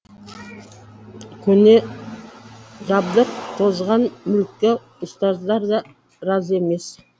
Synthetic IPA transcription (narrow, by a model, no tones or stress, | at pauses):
kʲʰɵne | ʒɑbd̪əɾt̪ʰo̞zʁɑnmʏlkʲːɪ | ʊst̪ɑzd̪ɑɾd̪ɑ | ɾɑze̞me̞s